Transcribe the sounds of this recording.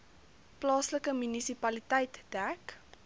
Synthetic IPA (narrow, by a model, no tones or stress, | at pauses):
plɑːsləkəmynisipɐlitɛjtd̥æk